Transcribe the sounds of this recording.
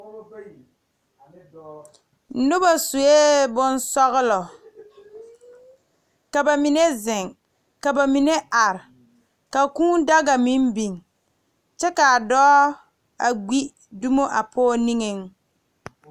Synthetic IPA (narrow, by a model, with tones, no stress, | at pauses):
nʊ˦ba˨sʊ˨e˦bʊ˦n˦sɔ˦ɣɪ˦lɔ˨ | ka˨ba˨mi˨ne˦zɪ˨ŋ | ka˨ba˨mi˨ne˦ʔa˨ɾɪ˨ | ka˨kũː˦n˦da˦ɡa˨mi˦mbi˨ŋ | t͡ʃɛ˦ka˨a˨dɔː˦ | a˨ɡ͡bi˦ | du˦mo˦ʔa˨pʰɔː˦ni˦ŋe˨ŋ